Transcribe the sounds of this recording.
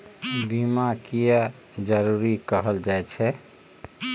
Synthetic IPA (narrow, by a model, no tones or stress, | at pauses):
bʱimakijə | d͡ʒəɾuɾikəɦəld͡ʒajt͡ʃʰɛ